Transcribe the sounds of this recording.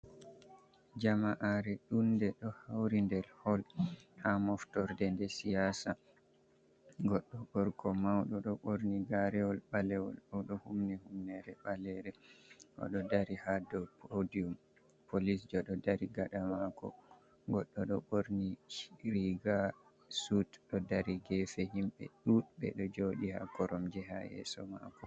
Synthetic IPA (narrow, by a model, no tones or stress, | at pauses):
d͡ʒamaʔaɾɛɗundɛɗɔhawɾindɛlhɔlhamɔftɔɾdɛndɛsijasa | ɡɔɗːɔɓɔɾkʰɔmawɗɔɗɔɓoɾniɡaɾɛɔlɓalɛwɔ̰lawɗɔhumnihumnɛɾɛɓalɛɾɛʔɔ̰ɗɔdaɾihadɔpʰodium | pʰolis̬d͡ʒɔɗɔdaɾiɡaɗamakɔ̰ | ɡɔɗːɔɗɔɓoɾniɾiɡa | sutɗɔdaɾiɡɛfɛhimɓɛ̰ɗubɛ̰ɗɔd͡ʒoɗiha̰kɔɾɔmd͡ʒɛɦa̰jɛ̰sɔ̰ma̰kɔ